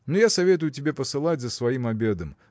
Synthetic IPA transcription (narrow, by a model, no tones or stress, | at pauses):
nojasɐvʲe̞t̪̬ʊjʊtʲɪbʲepəsɨlˠatʲzəsvɐimɐbʲe̞d̪əm